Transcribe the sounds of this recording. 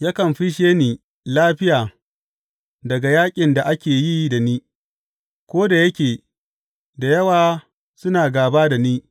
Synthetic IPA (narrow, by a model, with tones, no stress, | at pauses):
ja˦kɐ˨mɸi˦ʃeː˦niː˨ | laː˦ɸɪ˦jaː˨ | dɐ˨ɡa˨jaː˦kʲʼɪ˨nda˨ʔa˦kʲeː˨jiː˦da˨niː˦ | kʷoː˦da˨jɐ˦kʲeː˨ | da˨jɐ˦waː˦˨ | sʊ˦naː˨ɡaː˨baː˦da˨niː˦